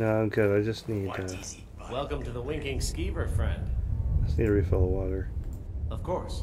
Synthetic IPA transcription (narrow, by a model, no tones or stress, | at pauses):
noʊãɪ̃mɡʊɾaɪd͡ʒʌsnidɨ | wɛlˠkə̃mtʰɨðəwɪ̃ŋkɪ̃ŋskivə˞fɹɛ̰̃nd̥əsniɾəɹifɪlˠəwɔɾə˞ʌv̥kʰɔɹs